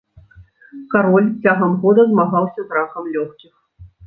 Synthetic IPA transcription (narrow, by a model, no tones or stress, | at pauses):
kaɾɔlʲt͡sʲaɣɐmɣɔd̪ɐzmaɣawsʲɐzɾakɐmlʲɔxkʲix